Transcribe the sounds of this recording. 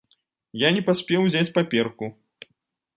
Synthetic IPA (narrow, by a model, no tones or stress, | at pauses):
janʲɛpasʲpʲɛwzʲat͡sʲpapʲɛrku